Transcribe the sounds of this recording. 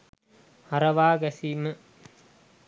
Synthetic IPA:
haɾɐʋaːɡæsiːmə

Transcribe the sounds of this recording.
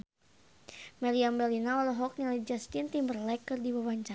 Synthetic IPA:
mɛliambɛlinaɔlɔɦɔk̚nalad͡ʒast̪int̪imbərlɛkərdibawaɲt͡ʃa

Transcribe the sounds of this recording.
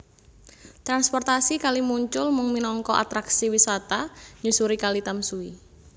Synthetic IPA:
t̪ɾanspɔrt̪asikalimuɲt͡ʃʊlmʊŋminɔŋkɔʔa̰t̪ɾaksiwisat̪aɲusuɾikalit̪amsui

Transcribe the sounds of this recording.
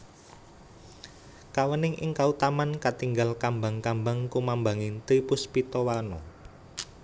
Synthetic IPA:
kawənɪŋʔɪ̰ŋkaut̪amankat̪iŋɡalkambaŋkambaŋkumambaŋɪnt̪ipʊspit̪ɔwanɔ

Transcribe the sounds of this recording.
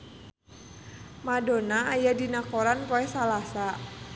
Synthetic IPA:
madonaːjadinakɔɾanpɔɛhsalasa

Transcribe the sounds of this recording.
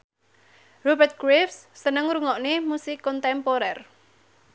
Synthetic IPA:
robɛrt̪̚ɡ̥ɾefssənəŋɾuŋɔʔnemusɪkːɔnt̪ɛmpoɾɛr

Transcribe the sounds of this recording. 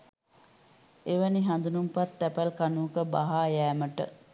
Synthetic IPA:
eʋəniɦand̪unumpat̪ːæpælkanuːkəbaɦaːjæːməʈə̰

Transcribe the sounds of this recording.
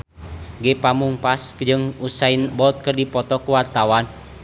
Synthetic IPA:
ɡepamuŋpasd͡ʒɨŋusainbɔt̪̚kərdipɔt̪ɔkuwart̪awan

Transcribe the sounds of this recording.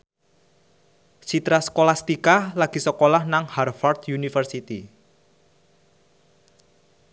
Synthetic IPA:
sit̪ɾaskolast̪ikalaɡ̥i̤səkolahnaŋharfɔrt̪junifərsit̪i

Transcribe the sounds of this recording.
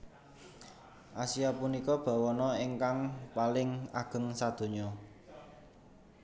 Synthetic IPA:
ʔasiapunikɔb̥a̤wɔnɔiŋkaŋpalɪŋa̰ɡ̥ə̤ŋsad̪̥o̤ɲɔ

